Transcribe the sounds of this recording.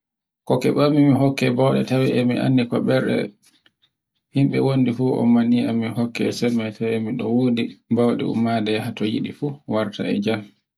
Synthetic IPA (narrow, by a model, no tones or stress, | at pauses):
kɔkɛɓamːimiɦɔkːɛbawɗɛtawiʔɛmiʔa̰nːikɔɓɛɾɗɛ̰ | himɓɛwondifuʔɔ̰maniamːihɔkːɛsɛmːajtʰawɛmiɗɔwodibawɗɛ̰ṵmadɛhatɔjiɗifuwaɾta̰ɛd͡ʒam